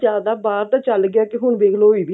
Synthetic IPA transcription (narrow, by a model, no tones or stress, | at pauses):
aːd̪aːbaːɾt̪ãːt͡ʃəlɡɪjaːkɪɦʊɳʋeːkʰloːiːbiː